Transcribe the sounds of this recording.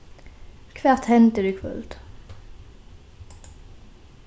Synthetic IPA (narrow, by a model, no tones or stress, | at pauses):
kʰʋæːʁt̪hɛnt̪əd̪ʉkʰʋʉ̰lt̪